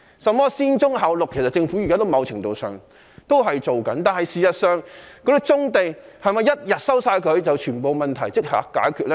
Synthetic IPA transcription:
sɐ˨mmɔː˥siː˥nt͡sʊ˥ŋɦaː˨˧wlʊ˨kʰe˨˩sɐ˨t̚t͡sɪ˧ŋfu˨˥ji˨kaː˥t̪o˥wmɐ˨˧wt͡ʃʰɪ˨˩ŋt̪o˨wsœ̰ː˨ŋ | t̪o˥wɦɐ˨jt͡ʃo˨wkɐ˨˥nt̪aː˨nɦɐ˨jsiː˨sɐ˨t̚sœː˨ŋkɔ˧˥ɾi˥t͡sʊ˥ŋt̪e˨˧jhɐ˨jmɐ˨˧jɐ˥t̚jɐ˨t̚sɐ˥wsaː˧jkʰɵ˨˧ɥt͡sɐ˨wt͡ʃʰyː˨˩npo˨wmɐ˨nt̪ʰɐ˨˩jt͡sɪ˥k̚ha̰ː˨˥kkːaː˨˥jkʰyː˧t̚lɛ˥

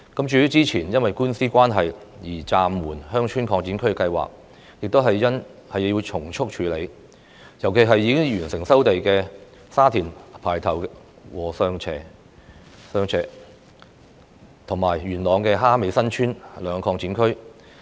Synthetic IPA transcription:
kɐ˨˥mt͡ʃyː˨˧jy˥t͡siː˥t͡sʰiː˨˩njɐ˥nwɐ˨jkuː˥nsiː˥kʷaː˥nɦɐ˨jjiː˨˩t͡saː˨mːuː˨˩nhœː˥ŋt͡ʃʰyː˥nkʰɔː˧ŋt͡si˨˥nkʰɵ˥ɥkɛ˧kɐ˧jwa̰ː˨k̚ | jɪ˨k̚t̪o˥ɦɐ˨jːɐ˥n | hɐ˨jji˧t͡ʃʰʊ˨˩ŋt͡ʃʰʊ˥k̚t͡ʃʰyː˨˧le˨˧j | jɐ˨˩wke˨jɦɐ˨jːiː˨˧kɪ˥ŋjyː˨˩nsɪ˨˩ŋsɐ˥wt̪e˨jkɛː˧ | saː˥t̪ʰiː˨˩npʰaː˨˩jt̪ʰɐ˨˩w | wɔː˨˩sœː˧ŋt͡ʃʰɛː˨˩ | sœː˧ŋt͡sʰɛː˨˩ | t̪ʰʊ˨˩ŋmaː˨˩jɥyː˨˩nlɔː˨˧ŋkɛː˧ɦaː˥me˨˧jsɐ˥nt͡ʃʰyː˥nlœː˨˧ŋkʰɔː˧ŋt͡siː˨˥nkʰɵ˥ɥ

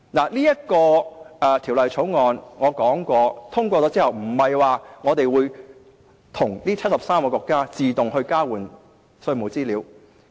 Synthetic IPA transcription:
naː˨˩liː˥jɐ˥t̚kɔː˧ɛ˨˧t̪ʰi˨˩wlɐ˨jt͡ʃʰo˨˥wŋɔː˧nŋɔː˨˧kɔː˨˥ŋkɔː˧t̪ʰʊ˥ŋkʷɔː˧t͡sɔ˨˥t͡siː˥hɐ˨wm̩˨˩hɐ˨jwaː˨˩ŋɔː˨˧t̪e˨jwuː˨˧j | t̪ʰʊ˨˩ŋliː˥t͡sʰɐ˥t̚sɐ˨p̚saː˥mkɔ˧kʷɔː˧kːaː˥t͡siː˨t̪ʊ˨ŋhɵ˧ɥkaː˥wuː˨˩n | sɵ˧ɥmo˨˩wt͡siː˥liː˨˧˥w

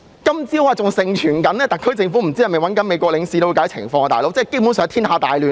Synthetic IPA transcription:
kɐ˥mt͡siː˥o˧waː˨˩t͡sʊ˨ŋsɪ˨ŋt͡ʃʰyː˨˩nkɐ˨˥nlɛː˥t̪ɐ˨˩kʰːɵ˥t͡sɪ˧ŋfu˨˥m̩˨˩t͡siː˥jɐ˨˩me˨˩wɐ˨˥nkɐ˨˥nme˨˧jkɔː˧klɪ˨˧ŋsiː˧t̪o˥wkːa˨˥t͡sʰɪ̰˨˩ŋfɔː˧ŋːɐ˧aː˨jlo˨˥wt͡sɛː˥˩ke˥jpuː˨˥nsœː˨˧t̪ʰi˥nhaː˨˧t̪aː˨jlyː˨

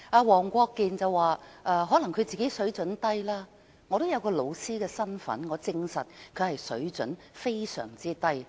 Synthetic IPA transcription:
aː˧wɔː˨˩ŋkʷɔː˧kːiː˨nt͡sɐ˨wwaː˨ʔɛː˨˧ɦɔ˨˥lɐ˨˩ŋkʰɵ˧t͡siː˨ke˨˥jsɵ˨˥ɥt͡sɵ˨˥nt̪ɐ˥jlaː˥ | ŋɔː˨˧t̪o˥wjɐ˨˧wkɔː˧lo˨˧wsiː˥kɛː˧sɐ˥nfɐ̰˨˥nŋɔː˨˧t͡sɪ˧ŋsɐ˨t̚kʰɵ˨˧ɥhɐ˨jsɵ̰˨˥ɥt͡sɵ˨˥n | fe˥jsœ̰ː˨˩ŋt͡siː˥t̪ɐ˥j

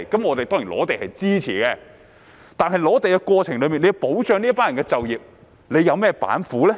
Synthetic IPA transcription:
kɐ˨˥mŋɔː˨˧t̪e˨jt̪ɔː˥ŋi˨˩lɔ̰ː˨˥t̪e˨jhɐ˨jt͡siː˥t͡sʰḭː˨˩kɛ˧ | t̪aː˨nɦɐ˨jlɔː˨˧˥t̪e˨jkɛ˧kʷɔː˧t͡sʰɪ˨˩ŋlɵ˨˧ɥmiː˨nle˨˧po˨˥wt͡ʃœː˨˧ŋniː˥paː˥nɐ˨˩ŋkɛ˧t͡sɐ˨wjiː˨p̚ | le˨˧jɐ˨˧wmɛː˥pa̰ː˨˥nfuː˨˥lɛː˥

